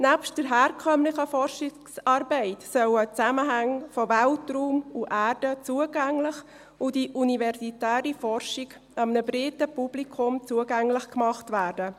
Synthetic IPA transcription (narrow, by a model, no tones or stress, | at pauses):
næpʃtd̥əɾɦæːɾkʰœmlɪχəfɔrʃi | sɑːɾbɛɪtsœwət͡sæməɦæŋfɔvæltɾuːmuʔæːɾd̥ət͡suəɡæŋlɪχ | ʊdiʔunivɛɾsitæːɾifɔɾʃiɡ | ɑmnəbɾɪtəpub̥likʰʊmt͡suəɡæŋlɪχkmɑχtʋæːɾdə